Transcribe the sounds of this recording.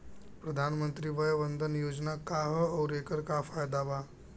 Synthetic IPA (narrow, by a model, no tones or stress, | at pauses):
pɾəd̪ʱanmənt̪ɾiːbəjʋənd̪ʱənjoːd͡ʒnakaɦəːwɾekəɾkafajd̪aba